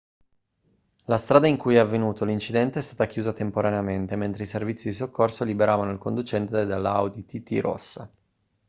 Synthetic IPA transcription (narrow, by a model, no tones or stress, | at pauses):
last̪ɾaːd̪aiŋkujɛavːenuːt̪ʰolint͡ʃid̪ɛnt̪eɛst̪aːt̪akjuːzat̪empoɾaneament̪ement̪ɾeiservit̪sːid̪isokːorsolibeɾaːvanoilkond̪ut͡ʃɛnt̪ed̪elːaawd̪it̪it̪ḭɾʔo̰sːa